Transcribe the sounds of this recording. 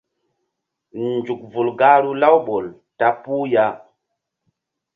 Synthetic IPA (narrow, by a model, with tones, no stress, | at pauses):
nnd͡ʒu˨k̚vu˨lɡa˦ɾu˦la˦wɓo˨l | ta˦pu˦ja˦